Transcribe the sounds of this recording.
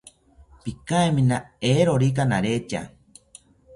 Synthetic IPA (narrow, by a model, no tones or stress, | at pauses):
pikaemĩnaeɾoɾik̬anaɾet͡ʃa̰